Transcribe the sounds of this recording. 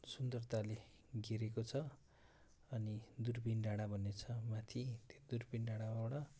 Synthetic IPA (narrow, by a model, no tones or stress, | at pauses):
sund̪ʌrt̪ale | ɡiɾekot͡sʰʌ | ʌnid̪urbinɖaɽ̃abʱʌnet͡sʰʌmat̪ʰit̪od̪urbinɖaɽaawɽa